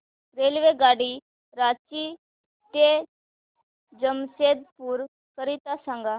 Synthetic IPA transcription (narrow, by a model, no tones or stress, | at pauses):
ɾeːlʋeɡaːɽi | ɾaːt͡ʃi | t̪e | d͡ʒəmsed̪̚puɾ | kəɾit̪asãŋɡaː